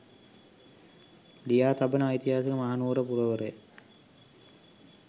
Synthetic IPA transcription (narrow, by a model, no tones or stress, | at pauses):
lijaːt̪abənəːit̪iɦaːsəkəmaɦanuːɾəpuɾəʋəɾəjə